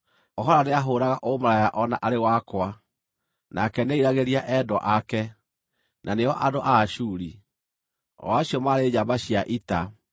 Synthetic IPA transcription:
ɔɦɔɾaneaɦoːɾaɣaʔomaɾajaʔɔnaʔaɾewakwa | nakɛneiɾaɣeɾiaʔɛdɔʔakɛ | nʔaneɔʔadoʔaɕuɾi | ɔ̰waɕiɔmaɾed͡ʒabaɕiaʔita

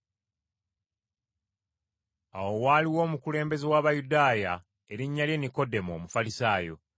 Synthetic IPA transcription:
awo̞waːliwo̞ːmukule̞ːmbe̞zewaːβajudaːja | e̞ɾiɲːalje̞niko̞de̞mo̞ːmufalisaːjo̞̰

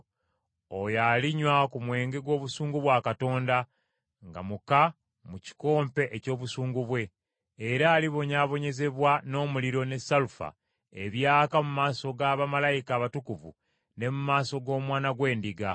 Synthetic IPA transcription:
ojaliɲwakumwe̞ːŋɡe̞ɡwo̞ːβusuːŋɡuβwaːkato̞ːnda | ŋɡa̰muka | muci̥ko̞ːmpe̞ʔeco̞ːβusuːŋɡuβwe̞ː | ɾaːliβo̞ɲaːβo̞ɲe̞ze̞βwano̞ːmuliɾo̞ne̞salufa̰ | e̞βjaːkamumaːso̞ɡaːβamalajikaːβatukuvṵ | ne̞mumaːso̞ɡo̞ːmwaːnaɡwe̞ːndiɡa

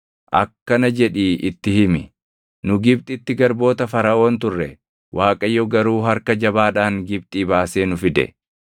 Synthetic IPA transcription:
ʔɐ̰kːɐnɐd͡ʒɛᶑiːʔɪt̪ːɪhɪmɪ | nʊɡɪbt̪ʼɪt̪ːɪɡɐɾbo̞ːt̪ɐfɐɾɐʔo̞ːnt̪ʊrːɛ | wʔaːkʼɐjːɔɡɐɾuːɦɐɾkɐd͡ʒɐbaːᶑaːŋɡɪb̚t̪ʼiːbaːse̞ːnʊfɪd̪ɛ̰

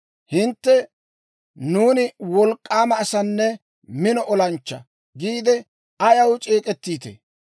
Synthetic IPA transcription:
hɪnt̪ːɛ | nuːnɪwɔlkʼːaːmɐːsɐnːɛ | mɪnɔʔɔlɐnt͡ʃːɐ | ɡiːd̪ɛ | ɐjɐwt͡ʃʼeːkʼɛt̪ːiːt̪ḛː

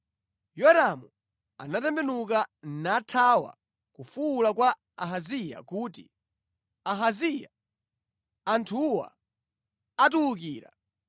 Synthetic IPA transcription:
jɔɾamu | a̰natɛmbɛnukanatʰawa̰ | kufuːlakwa | aɦazija̰kuːtḭ | aɦazija̰ | antʰuwa̰ | atuukiːɾa̰

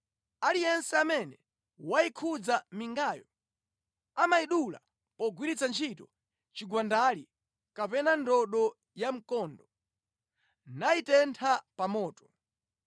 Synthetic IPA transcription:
alijɛnsɛamɛnɛ | wajikʰud͡zamiŋɡaːjɔ | amaiɗula̰ | pɔɡwiɾit͡sant͡ʃʰitɔ | t͡ʃiɡwandali | kapɛnandɔɗɔ | jam̩kɔndɔ | naitɛntʰapamɔːtɔ̥

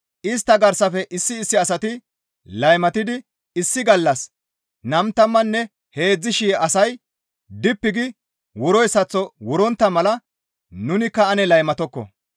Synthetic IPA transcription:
ʔɪs̬t̪ːɐɡɐɾsɐfɛʔɪsːɪːsːɪɐsɐt̪ɪ | lɐjmɐt̪ɪd̪ɪ | ɪsːɪɡɐlːɐs | nɐmt̪ːɐmːɐnːɛ | he̞ːd͡zːɪʃijʔɐsɐj | d̪ɪpːɪɡɪ | wʊɾɔjsɐt͡sːɔwʊɾɔnt̪ːɐmɐlɐ | nʊnɪkːɐɐnɛlɐjmɐt̪ɔkːɔ̰

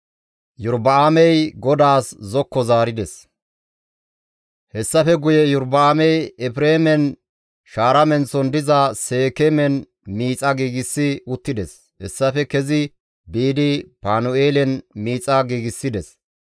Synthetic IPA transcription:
jʊɾbɐaːmɛjɡɔd̪aːszɔkːɔzaːɾɪd̪ɛs | hɛsːɐfɛɡʊjɛjʊɾbɐaːmɛjɛpɾeːmɛn | ʃaːɾɐmɛnsɔnd̪ɪzɐseːkemɛn | miːt͡sʼɐɡiːɡɪsːɪʊt̪ːɪd̪ɛs | hɛsːɐfɛkɛzɪ | biːd̪ɪpaːnʊeːlɛnmiːt͡sʼɐɡiːɡɪsːɪd̪ɛs

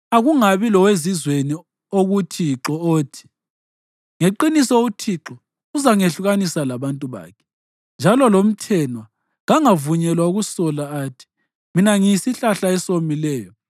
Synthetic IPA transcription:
aɣuŋaβilɔwezizweni | oɣutʰiǁɔoːtʰi̥ | ŋeǃinisɔutʰiǁɔ | uzaŋeɬuɣanisalaβantʼuβa̰ːkʰɛ̥ | nd͡ʒʱalɔlom̩tʰɛnwa | ɣaŋavuɲɛlwauɣusɔlaːtʰi̥ | minaŋiisiɬaɬaɛsomilɛːjɔ

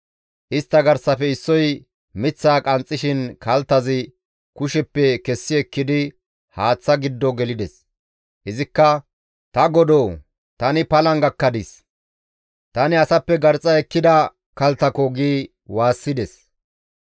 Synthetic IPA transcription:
ʔɪst̪ːɐɡɐɾsɐfɛɪsːɔj | mɪt͡sːaːkʼɐnt͡sʼːɪʃɪnkɐlt̪ːɐzɪ | kʊʃɛpːɛkɛsːɪɛkːɪd̪ɪ | haːt͡sːɐɡɪd̪ːɔɡɛlɪd̪ɛs | ʔɪzɪkːɐ | t̪ɐɡɔd̪oː | t̪ɐnɪpɐlɐŋɡɐkːɐd̪ɪs | t̪ɐnɪɐsɐpːɛɡɐɾt͡sʼɐɛkːɪd̪ɐ | kɐlt̪ːɐkɔɡiː | waːsːɪd̪ɛs

